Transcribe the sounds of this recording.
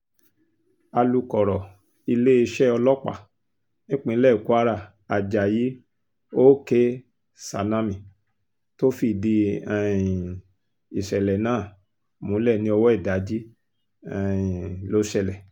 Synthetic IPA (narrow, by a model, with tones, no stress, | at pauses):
a˧lu˧kɔ˨ɾɔ˨ | i˧le˦e˧ʃɛ˦ɔ˧lɔ˦k͡pa̰˨ | nĩ˦k͡pĩ˨˧˦lɛ˦˨ku˧˦a˧ɾa˧˨ | a˨d͡ʒa˨ji˨˦ | o˦ke˦ | sa̰˨nã˧mĩ˨ | to˦fi˧˨di˧ɛ˨ĩ˨ | i˨ʃɛ˨lɛ˨nãː˦˨ | mũ˨˦lɛ˦˨nĩ˧˦ɔ˧wɔ˦ɛ˦˨da˨˦d͡ʒi˦ | ɛ˨ĩ˨lo˨˧˦ʃɛ˧˨lɛ˨